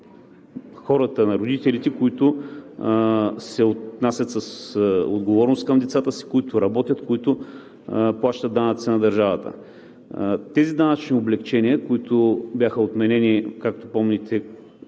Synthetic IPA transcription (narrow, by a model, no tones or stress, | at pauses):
xɔɾət̪ənɐɾʊd̪it̪ɛlit̪ɛkoit̪ʊ | sɛot̪nasʲɐt̪səso̰d̪ɡovɔɾnoʊst̪̚kɐmd̪ɛt̪sat̪əsi̥kʊit̪ʊɾɐbɔt̪ʲət̪kʊit̪ʊ | plˠaʃt̪ət̪ːanət̪sinɐd̪ɐɾʒavət̪ə̰ | t̪ɛzid̪anɐt͡ʃnioblɛkt͡ʃɛniəkoit̪ʊbʲjaxəot̪mɛnɛnikak̚t̪opɔmnɛt̪ʰɛ